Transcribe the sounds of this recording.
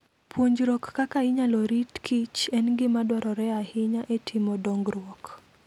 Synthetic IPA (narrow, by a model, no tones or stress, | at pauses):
pʰwoɲd͡ʒɾɔkːakaɪɲalɔɾitkʰit͡ʃɛnɡɪmadɔɾɔɾɛahɪɲaʔetʰɪmɔdɔŋɡɾwɔk